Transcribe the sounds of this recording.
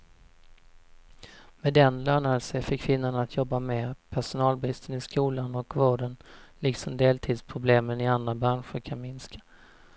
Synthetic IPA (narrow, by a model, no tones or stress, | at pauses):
mɛd̪ɛnlœːɳaəlsəfɪkʰːvɪnːʊɳaat̪ʰjɔbːameːpʰæʂʊnɑːlbɾɪst̪ənɪskuːlanɔkvoːɖənlɪksɔmd̪eːlt̪ʰiːd̪spʰɾʊbleːmənɪand̪ɾabɾanɧəɾkʰanmɪnskʰḁ